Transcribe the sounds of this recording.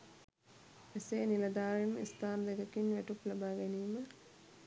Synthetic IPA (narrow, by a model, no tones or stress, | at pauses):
eseːnilɐd̪aːɾinḭst̪aːnd̪eɡɐkinʋæʈuklabaːɡɛniːmə